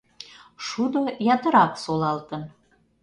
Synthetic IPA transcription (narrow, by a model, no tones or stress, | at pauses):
ʃud̪ojɑt̪ə̆ɾɑksolɑlt̪ən